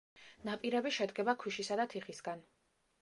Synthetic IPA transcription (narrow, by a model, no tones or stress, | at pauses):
napʼiɾɛbiʃɛd̪ɡɛbakʰwiʃisad̪at̪ʰiχisɡan